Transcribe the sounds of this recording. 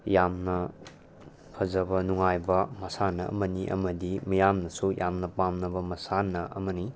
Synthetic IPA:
jamnɐ | pʰɐzɐbɐnuŋajbɐmɐsanɐ̰ʔɐ̰mɐniʔɐ̰mɐdimijamnɐsujamnɐpamnɐbɐmɐsanːɐʔɐ̰mɐni

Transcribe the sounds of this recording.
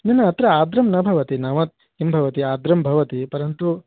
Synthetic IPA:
nɐnːɐːt̪ɾɐaːd̪ɾɐmnɐbʱɐʋɐt̪inɐʋɐt̪̚ | imbʱɐʋɐt̪iaːd̪ɾɐmbʱɐʋɐt̪ipɐɾɐnt̪u

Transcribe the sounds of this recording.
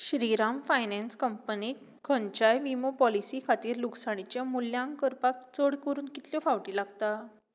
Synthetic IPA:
ɕɾiɾamfajnɛnskəmpəni | kʰənt͡ɕajʋimopɔlisikʰat̪iːɾluksaɽ̃it͡ɕjamuljãŋkəɾpak̚t͡səɽkəɾuːnkit̪ljɔfaʋʈiːlaɡt̪a

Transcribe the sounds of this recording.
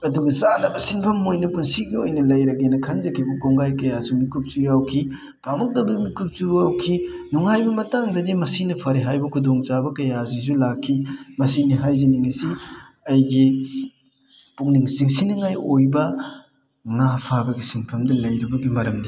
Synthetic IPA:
ɐduɡɐzanɐbɐsinpʰɐmːojnɐpunsiɡiojnɐlɐjɾɐɡenɐkʰɐnzɐkʰibɐɡoŋɡajkɐjazumikup̚zujawkʰi | pamɐk̚dɐbɐmikup̚zujawkʰinuŋajbɐmɐtaŋdɐdimɐsinɐpʰaɾiɦajbɐkʰudoŋzabɐkɐjazizulakʰːimɐsiniɦajziniŋisi | ɐjɡi | puŋniŋsiŋsinɐŋajojbɐ | ŋapʰabɐɡisinpʰɐmdɐlɐjɾibɐɡimɐɾɐmdi

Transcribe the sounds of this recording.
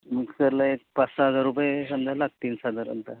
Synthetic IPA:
mikskəɾlaek̚pat͡ssaɦəd͡zaɾːupəjesəmd̪ʱalak̚t̪iːnsɦəd͡zaɾə̰nt̪a

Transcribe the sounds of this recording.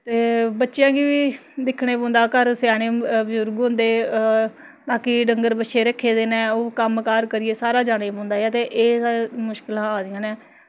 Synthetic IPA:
t̪eːbətːʃjãːɡiːʋiːd̪ɪkʰːɽeːpɔ̃ːnd̪aːkəɾsjaːɽeːbzʊɾɡɦʊ̃nd̪eː | baːkiːɖəŋɡəɾbətːʃʰeːɾəkʰːeːd̪eːnẽːoːkəmkaːɾkəɾɪeːsaːɾaːd͡ʒaːɽeːpɔ̃ːnd̪aːɛːt̪eːʔeːamʊʃkɪlãːaːd̪ɪjãːnɛː

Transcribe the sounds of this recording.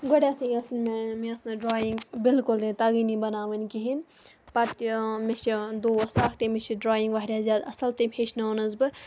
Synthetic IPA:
ɡoɽʲeɐsĩɐsnmmeɐsnɨɖɾaːjiŋɡbilkʊld̪et̪ɐɡiːnibɐnaːʋɐnʲkiɦin | pɐɾt̪met͡ʃʰid̪oːɐsɐkʰt̪emet͡ʃʰiɖɾaːjiŋɡʋaːɾʲjaːzjaːd̪ɐsɐlt̪epʰeːt͡ʃʰnɐonɐzbɨ

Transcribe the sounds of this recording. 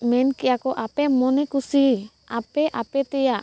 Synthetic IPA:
mɛnkijakɔʔapɛmɔnɛkusi | apɛʔapɛt̪ɛjaʔ

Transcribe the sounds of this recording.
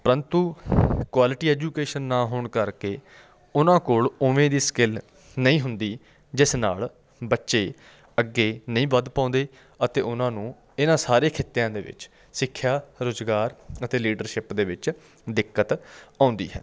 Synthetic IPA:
pəɾənt̪uːkwaːlɪʈiːɛːd͡ʒuːkeːʃənːaːɦoːɳkəɾkeː | ʊnãːkoːlʊʋẽːd̪iːskɪl | nəĩːɦʊnd̪iː | d͡ʒɪsna̰ːl | bətːʃeː | əɡːeːnəĩːʋəd̪pãːnd̪eː | ət̪eːʊnãːnũː | ɪnãːsaːɾeːkʰɪt̪ːejãːd̪ḛːʋɪ̰t͡ʃ | sɪkʰːjaːɾoːzɡaːɾət̪eːliːɖəɾʃɪpd̪eːʋɪt͡ʃ | d̪ɪkːət̪ãːʊnd̪ḭːɦɛ̰ː

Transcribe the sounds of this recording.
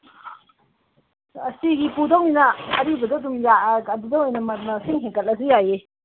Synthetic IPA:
ɐsiɡipudawinɐːɾibɐdɐdumjaɐdidawijnɐmɐt̚mɐsiŋɦeŋkɐl̚ɐsijaje

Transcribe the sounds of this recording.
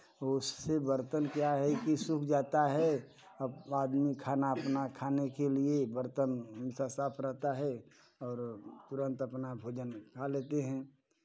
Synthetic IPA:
ʊsːebəɾt̪ənkjaɦɛkisʊkʰd͡ʒaːt̪aɦɛ | aːd̪mikʰaːnaɐpnakʰaːnekeliebəɾt̪ənmɪsasaːpʰɾəɦt̪aɦɛ | ɔːɾt̪ʊɾə̃nt̪ɐpnabʱoːd͡ʒənkʰaleːt̪eɦɛ̃ː

